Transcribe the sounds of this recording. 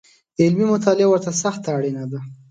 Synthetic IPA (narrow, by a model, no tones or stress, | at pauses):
ɪlmimʊt̪ɑlɪawəɾt̪asaxt̪aːɽinad̪a